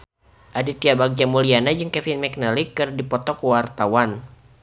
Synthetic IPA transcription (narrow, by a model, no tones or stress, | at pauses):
ʔadit̪iabaɡ̚d͡ʒamulianad͡ʒɨŋkɛfinmɛk̚nalikɨrdipɔt̪ɔkəwart̪awan